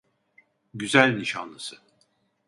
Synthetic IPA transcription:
ɟyzælʲniʃanlˠɯsɯ

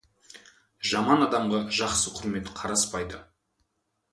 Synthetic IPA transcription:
ʒɑmɑnɑd̪ɑmʁɑʒɑqsəqʰʊɾme̞t̪qʰɑɾɑspɑjd̪ə

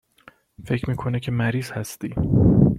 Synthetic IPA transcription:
fe̞cʰɾmiːkʰo̞necʰe̞mæɾiːz̥hæst̪iː

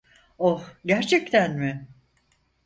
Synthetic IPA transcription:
ohɟæɾt͡ʃʰɛc̚t̪ʰænmɪ

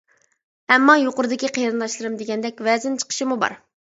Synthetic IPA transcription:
hɛmːɑjoqʊɾɨd̪ɪkʲiqʰejɾɨnlˠɑʃlˠɨɾɨmd̪eɡʲɛnd̪ɛkʲvɛzɪnt͡ʃʰə̥qʰə̥ʃimubɑ̰ɾ

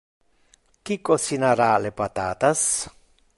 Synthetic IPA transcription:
kikosinaɾalepat̪aːt̪as

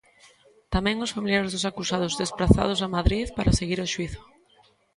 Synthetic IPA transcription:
t̪amɛ̃ŋosfamiljaɾezðʊsakusað̞ʊzðespɾaθa̰ð̞ʊsamaðɾiðpaɾaseɣiɾoʃwiθʊ̥

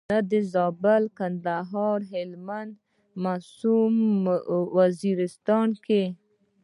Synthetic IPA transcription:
ad̪əzɑbɪlkand̪aɦɑɾɦɪlmand̪ | masum | waziɾɪst̪ɑnke

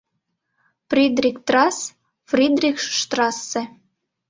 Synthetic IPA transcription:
frʲid̪rʲikt̪rɑs | frʲid̪rʲikʃʃt̪rɑsːĕ

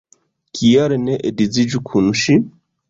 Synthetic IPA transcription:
kijaɾɛnɛʔedid͡zid͡ʒukʰunuʃi

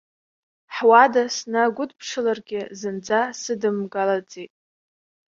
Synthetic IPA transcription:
ħwadasnaɡʷʊdpʰʂɨlarɡʲɪzɨnd͡zasɨdɨmɡalad͡zʼitʼ

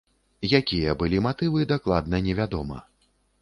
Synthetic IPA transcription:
jakʲijɐbɨlʲimat̪ɨvɨd̪aklˠad̪̚nɐnʲɛvʲad̪ɔmɐ̰

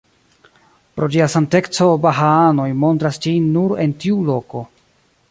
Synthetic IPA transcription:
pɾo̞d͡ʒiasante̞kt͡so̞baɦaano̞jmo̞ntɾasd͡ʒinːuɾe̞ntiulo̞ko̞

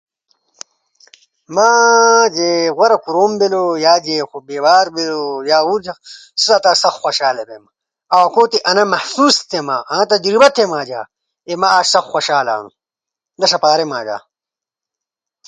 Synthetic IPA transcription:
maːd͡ʑeɣwɐɾɐkuɾoːmbelojaːd͡ʑeːxobeːwaːɾbelojaːuɾd͡ʑɐsusat̪aːsɐxxʷɐɕaːlebema | ɐwɐkoːt̪eʔɐnɐmɐhsuːst̪ʰemaːʔãt̪ɐd͡ʑɾibɐt̪ʰemaːd͡ʑa̰ː | emaaːɕsɐxxʷɐɕaːla̰ːnṵ | d̪ɐʂɐpaːɾemaːd͡ʑa̰ː

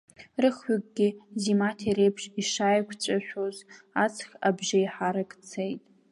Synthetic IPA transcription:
rɨχakʼɡʲɪzimatʰeɾejpʰʂiʂajkʷʰt͡ɕʷʼaʃᶣozat͡sʰxʲabʒajħaɾakʼt͡sʰejtʼ

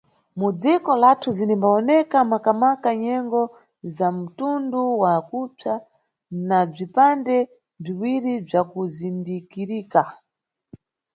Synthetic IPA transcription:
mud͡zikɔlatʰuzinimbaɔnɛkamakamakaɲɛŋɡɔ | zam̩tunduwakut͡sa | nab͡ʐipandɛ | b͡ʐiwiɾib͡ʐakuzindikiɾiːka

